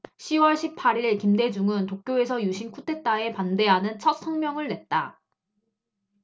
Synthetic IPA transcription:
ɕʰiwʌɭɕʰipʰaɾiɭkimde̞d͡ʑuŋɯntok̚k͈joe̞sʰʌjuɕʰinkʰutʰe̞t͈ae̞pande̞ɦanɯnt͡ɕʰʌt̚s͈ʰʌŋmjʌŋɯɭne̞t̚t͈a

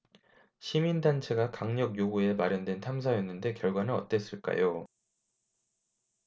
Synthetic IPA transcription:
ɕʰimindant͡ɕʰe̞ɡakaŋɲʌkjoɡue̞maɾjʌndwe̞ntʰams̬ʰajenːɯnde̞kjʌɭɡwanɯnʌ̰t͈e̞s͈ɯɭk͈a̰jo

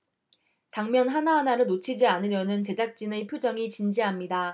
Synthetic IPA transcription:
t͡ɕaŋmjʌnɦanaɦanaɾɯɭnot͡ɕʰid͡ʑianɯɾjʌnɯnt͡ɕe̞d͡ʑak̚t͡ɕ͈inepʰjod͡ʑʌŋit͡ɕind͡ʑiɦamɲida

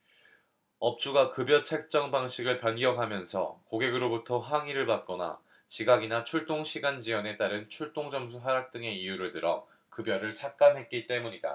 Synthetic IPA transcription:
ʌp̚t͡ɕ͈uɡakɯbjʌt͡ɕʰe̞k̚t͡ɕ͈ʌŋbaŋɕʰiɡɯɭpjʌnɡjʌŋɦamjʌnsʰʌ̰koɡe̞ɡɯɾobutʰʌɦaŋiɾɯɭpat̚k͈ʌna̰ | t͡ɕiɡaɡinat͡ɕʰuɭt͈oŋɕʰiɡand͡ʑiwʌne̞t͈aɾɯnt͡ɕʰuɭt͈oŋd͡ʑʌms̬ʰuɦaɾak̚t͈ɯŋe̞ijuɾɯɭtɯɾʌ | kɯbjʌɾɯɭsʰak̚k͈amɦe̞t̚k͈it͈e̞muɲida̰

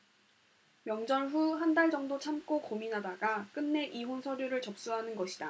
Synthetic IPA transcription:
mjʌŋd͡ʑʌnɸuɦandaɭd͡ʑʌŋdot͡ɕʰamk͈okominadaɡak͈ɯnːe̞ʔiɦonsʰʌɾjoɾɯɭt͡ɕʌp̚s͈uɦanɯnɡʌɕʰida

